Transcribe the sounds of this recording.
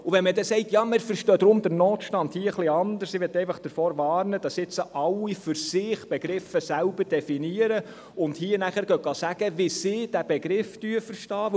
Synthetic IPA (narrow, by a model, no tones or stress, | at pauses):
uʋɛnmədɛsɛɪtjɑːmɪɾfəɾʃtœːd̥̪ɾʊmd̪əɾnoːt̪ʃtɑndhiːəəχlɪɑnd̪əɾsɪʋɪtːɛɪfɑχd̥əɾfoːɾʋɑːɾnəd̥ɑsɪt͡səʔɑlːifʏɾsɪχb̥eɡ̥ɾɪfəsælb̥əɾd̥ɛfiniːəɾə | ʊndhiːənæχəɾɡ̥œɡ̥ɑːsæɡ̥əʋɪsɪd̥æb̥eɡɾɪfd̥yːəfəɾʃtɑː